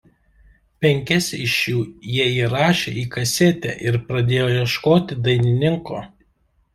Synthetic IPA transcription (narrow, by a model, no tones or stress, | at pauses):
pʲɛŋʲkʲɛsʲɪʃʲjuːjiɛiːɾɑːʃʲḛːʔiːkɐsʲet̪ʲɛ̰ːʔɪɾpɾɐd̪ʲeːjoːjɛʃkoːt̪ʲɪd̪ɐɪnʲɪnʲɪŋkoː